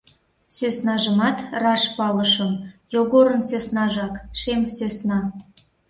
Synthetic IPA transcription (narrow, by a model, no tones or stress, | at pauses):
søsnɑʒəmɑt̪rɑʃpɑləʃəmjoɣoɾənsøsnɑʒɑkʃemsøsnɑ